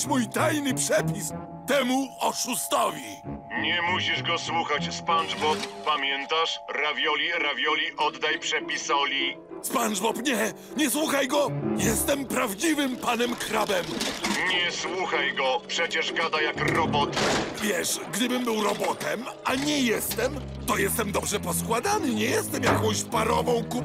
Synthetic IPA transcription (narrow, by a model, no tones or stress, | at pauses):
mujt̪ajnɘpʂɛpʲis | t̪ɛmuɔʂust̪ɔvʲi | ɲɛmuɕiʐɡɔswuxat͡ɕspanʐbɔpːamʲjɛnt̪aʂɾavʲjɔlʲiɾavʲjɔlʲiʔɔd̪ːajpʂɛpʲisɔlʲi | spanʐbɔpɲɛ | ɲɛswuxajɡɔjɛst̪ɛmpɾavd͡ʑivɘmpanɛmkɾabɛmɲɛswuxajɡɔpʂɛt͡ɕɛʐɡad̪ajakɾɔbɔt̪vʲjɛʂɡd̪ɘbɘmbɘwɾɔbɔt̪ɛm | aɲɛjɛst̪ɛm | t̪ɔjɛst̪ɛmd̪ɔbʐɛpɔskwad̪anɘɲɛjɛst̪ɛmjakɔ̃w̃ɕpaɾɔvɔ̃w̃ku